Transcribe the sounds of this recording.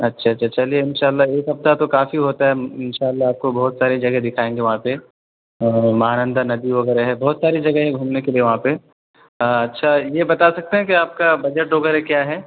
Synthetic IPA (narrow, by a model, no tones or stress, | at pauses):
ɐtːʃʰaɐtːʃʰat͡ʃɐlieɪnʃaːlːaeːkɦɐft̪at̪okaːfiɦoːt̪aɦɛɪnʃaːlːaːp̚kobɐːʊt̪saːɾed͡ʒɐɡɛd̪ɪkʰaːẽːŋɡeʋɐɦãpe | mɐɦaːnə̃nd̪anɐd̪iʋɐɣɛːɾeɦɛbɐːt̪saːɾid͡ʒɐɡɛɦɛ̃ɡʱuːmnekelieʋɐɦãpe | ɐtːʃʰajebɐt̪asɐk̚t̪eɦɛ̃kiaːp̚kabɐd͡ʒəʈ̚ɖoːɡəɾɦɛkjaːɦɛː